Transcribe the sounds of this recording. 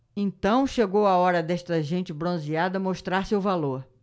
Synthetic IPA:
ẽnt̪ɐ̃w̃ʃeɡowɐɔɾɐd̪ɛʃt̪ɐʒẽnt͡ʃɪbɾõziad̪ɐmoʃt̪ɾaɾsewvaloɾ

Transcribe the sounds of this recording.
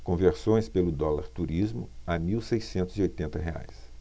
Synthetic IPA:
kõveɾsõj̃spelʊd̪ɔlaɾt̪uɾizmʊ̰amiwsejsẽnt̪ʊziojt̪ẽnt̪ɐɦea̰js

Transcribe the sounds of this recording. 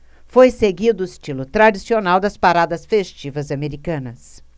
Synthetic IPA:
fojseɡid̪ʊʊist͡ʃilʊt̪ɾad͡ʒisionawd̪ɐspaɾad̪ɐsfest͡ʃivɐzameɾikɐ̃nɐs

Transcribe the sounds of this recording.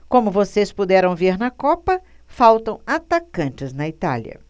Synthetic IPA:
kõmʊvosespud̪ɛɾɐ̃w̃veɾnɐkɔpɐ | fawt̪ɐ̃w̃at̪akɐ̃nt͡ʃɪznɐit̪a̰ljɐ̰

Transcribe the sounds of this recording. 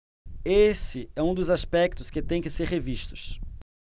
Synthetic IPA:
esɪɛũd̪ʊzaspɛk̚t̪ʊskɪt̪ẽj̃kɪseɾheviʃt̪ʊ̥s

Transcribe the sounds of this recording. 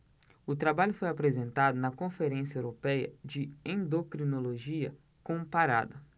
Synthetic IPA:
ʊt̪ɾabaʎʊfojapɾezẽnt̪ad̪ʊnɐkõfeɾẽsiɐewɾopɛjɐ̰d͡ʒɪẽd̪okɾinoloʒiɐ | kõpaɾa̰d̪ɐ

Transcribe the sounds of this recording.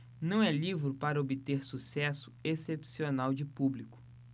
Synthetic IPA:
nɐ̃w̃ɛlivɾʊpaɾɐobɪt̪eɾsusɛsʊ̥esepsionawd͡ʒɪpublikʊ̥

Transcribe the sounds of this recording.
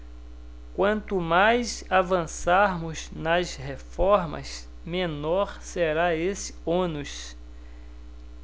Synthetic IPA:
kwɐ̃nt̪ʊmajsavɐ̃saɾmʊznɐshefɔɾmɐ̰s | mẽnɔɾseɾaesɪ̥õnʊs

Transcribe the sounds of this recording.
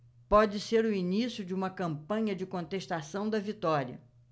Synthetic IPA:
pɔd͡ʒɪseɾʊinisjʊd͡ʒɪũmɐkɐ̃mpɐ̃ɲɐd͡ʒɪkõt̪eʃt̪asɐ̃w̃d̪ɐvit̪ɔɾiɐ̰

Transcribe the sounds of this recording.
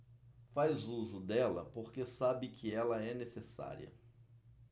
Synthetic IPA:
fajzuzʊd̪ɛlɐ̰poɾkesabɪkʰɪɛlɐɛnesesa̰ɾḭɐ̰

